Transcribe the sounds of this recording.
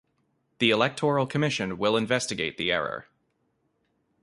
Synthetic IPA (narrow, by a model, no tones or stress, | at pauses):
ðiɨlɛk̚tʰɔɹl̩ˠkʰɨmɪʃɨ̃nwɪlˠə̃ɱvɛstɨɡeɪt̪̚ðiɛɹə̰˞